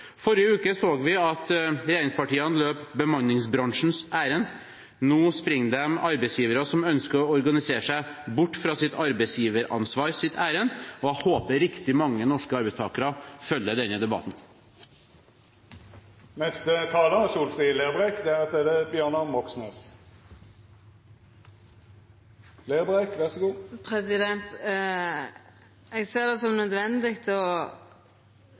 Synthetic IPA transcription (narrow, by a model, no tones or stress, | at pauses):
fɔɾjəʉːkəsoːɡʋɪɑt̪ɾɛjeːɾɪŋspɑʈiːɑnløːpbəmɑnːɪŋsbɾɑŋʂn̩sæːɾən | noːspɾɪŋd̪ɛmɑɾbɛsjiːʋəɾəsɔmœnskəɾɔɔɾɡɑnɪseːʂæɪbʊʈːfɾɑːsɪt̪ɑɾbɛɪsjiːʋəɾɑ̰nsʋɑːɾsɪt̪ʰæːɾənɔhoːpəɾɪkt̪ɪmɑŋːənɔʂkəɑɾbɛɪst̪ʰɑːkəɾəfœlːəd̪ɛnːəd̪ɛbɑ̰t̪n̩ | nɛst̪ət̪ʰɑːləsuːlfʁiːleːʁbʁekd̪ɛæʁɑt̪̚d̪ɛd̪ɛbjøːʁnɑmɔksneːs | leːʁbʁekʋæʁsəɡuːpʰɾɛsɪd̪ɛnt̪ | ɛɡseːd̪ɛsɔmnœd̪ʋɛnd̪ɪkt̪ʰɔ